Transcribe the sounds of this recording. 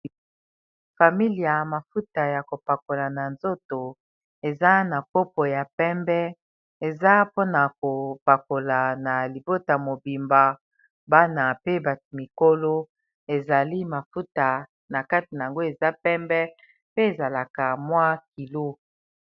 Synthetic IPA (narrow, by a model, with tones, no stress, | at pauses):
fa˨mi˦li˨ja˨ma˨fu˦ta˨ja˨ko˨pa˨ko˨la˨na˨nzo˦to˨ | e˨za˦na˨ko˦po˨ja˨pɛ˦mbɛ˦ | e˨za˦po˦na˨ko˨pa˨ko˨la˨na˨li˨bo˦ta˨mo˨bi˨mba˨ | ba˦na˨pe˦ba˨tmi˨ko˦lo˦ | e˨za˨li˦ma˨fu˦ta˨ | na˨ka˦ti˨na˨a˨ŋɡo˦e˨za˦pɛ˦mbɛ˦ | pe˦e˨za˨la˨ka˨mwa˦ki˨lo˦